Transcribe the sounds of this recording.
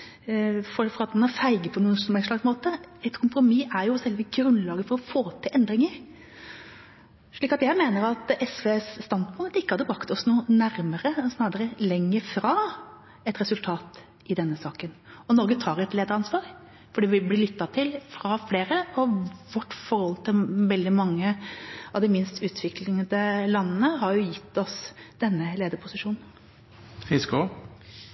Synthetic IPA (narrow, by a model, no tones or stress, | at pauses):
fɔfɔɾɑt̪mɑnɑfæɪɡəpʰɔnuːənsmɛɪnʂɭɑɡsmoːt̪əɛt̪kʰʊmpɾʊmiʔæɾjʊsɛlʋəɡɾʉnlɑːɡəfɔɾɔfoːt̪ʰɪlʔɛnd̪ɾɪŋəɾ | ʂɭiːkɑt̪jæɪmeːnəɾɑt̪ɛsʋesːt̪ɑnd̪pʰʉnt̪ɪkːəhɑd̪ːəbɾɑkt̪ɔsnuːnæɾməɾəɔsnɑːd̪əɾəlɛŋːəfɾɑː | ɛt̪ɾɛsʉlt̪ʰɑːt̪ | ɪd̪ɛnːəsɑːkənɔnɔɾɡət̪ʰɑːɾɛt̪leːd̪əɾɑnsʋɑːɾ | fɔɖɛːʋɪblɪːlʏt̪ːɑt̪ʰɪlfɾɑfleːɾəɔʋɔʈːfɔɾhɔlt̪ʰɪlʋɛld̪ɪmɑŋːəɑʋd̪ɛmɪnst̪ʉːt̪ʰʋɪklɪŋəd̪əlɑnnəɦɑɾjʊjɪt̪ːɔsd̪̥ɛnːəleːd̪əɾpʰʊsɪʂuːnn̩ | fɪskʊ